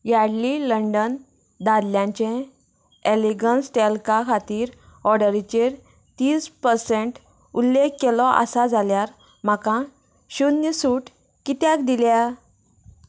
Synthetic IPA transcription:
jaɽliləɳɖən | d̪ad̪ljãɲt͡ɕẽ | eliɡənsʈelkakʰat̪iːɾ | ɔɽəɾit͡ɕeɾ | t̪iːspəɾsẽɳʈ | ulːekkːelɔʔa̰sad͡zʱaljaɾ | m̤akã | ɕunːəsuʈ | kit̪jakd̪ilja

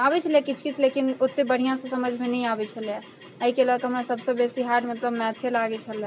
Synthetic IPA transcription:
abɛt͡ʃʰəlakit͡ʃʰkit͡ʃʰlekinot̪ːebəɽ̤ijãsẽsəməd͡ʒʱmenɛjabɛt͡ʃʰəlja | əɦikelɔkɦəmɾasəbsə̃besiɦaɾɖmət̪ləbmɛ̃t̪ʰelaɡɛt͡ʃʰəl

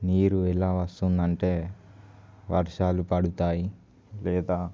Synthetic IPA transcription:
niːɾuɛlaːʋɐst̪und̪ɐɳʈe̞ː | ʋɐɾʂaːlupɐɽut̪aːji | lɛːd̪aː

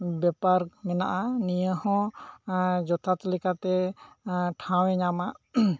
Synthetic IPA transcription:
bɛpaɾmɛnaʔanijəhɔ̃ | d͡ʒɔt̪ʰat̪ɛlɛkat̪ɛ | ʈʰãwɛɲamaʔ

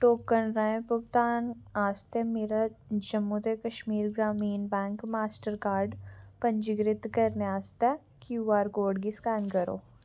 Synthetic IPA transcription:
ʈoːkːənɾãẽpʊɡt̪aːnaːst̪ɛmeːɾad͡ʒɐmːut̪ekəʃmiːɾɡɾaːmiːnbɛ̃ːŋkmaːsʈəɾkaːɾɖpɐ̃ɲd͡ʒɪɡɾɪt̪kɐɾneaːst̪ɛ | kjuaːɾkoːɖɡiskɛːnkɐɾo̰ː

